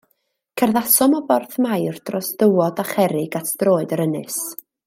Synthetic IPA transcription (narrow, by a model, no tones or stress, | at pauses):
kʰərðasɔmɔbɔrθmajrd̥rɔsd̥əwɔdaχɛɾɪɡatʰd̥roːɨdəɾənɨs